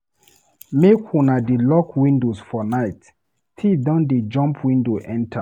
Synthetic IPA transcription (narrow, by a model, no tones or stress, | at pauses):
mekhũnadelɔkʰwĩndosfɔnaɪt | tʰidɔ̃nded͡ʒɔ̃mpʰwĩndoʔɛ̃ntʰa